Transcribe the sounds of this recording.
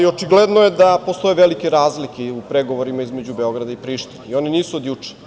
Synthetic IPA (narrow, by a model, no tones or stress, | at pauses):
io̞t͡ʃiɡled̪nojed̪apo̞st̪o̞jeʋelikeɾaːzlikeupɾeɡo̞ʋoɾimaizme̞d͡ʑubeo̞ɡɾad̪aipɾiːʃt̪ineio̞niniːsuod̪jut͡ʂe̥